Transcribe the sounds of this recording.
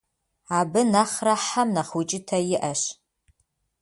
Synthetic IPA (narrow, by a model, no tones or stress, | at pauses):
aːbɨnaχraħamnɐχut͡ʃʼɪtʰɐjɪʔɐʃ